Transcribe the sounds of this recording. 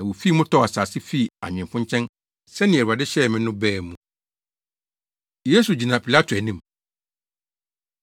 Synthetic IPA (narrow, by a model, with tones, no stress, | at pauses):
a˨wo˨fi˦mʊ̃˦tʰɔ˦˨a˨saː˨sɪ˦fi˦˨a̰˨ɲᶣɪ̃˨mfʊ̃˦ɲt͡ɕʰɛ̃˦n | sɛ˦nɪ̃˨æ˨ɾu˨a˨dɪ˦ɕɛ˦˨mɪ̃˦nʊ̃˦bɛː˦˨mũ˨ | je˦su˨d͡ʑi˨nã˨pʰi˨la˦tʰʊ˨æ˨nĩ˦m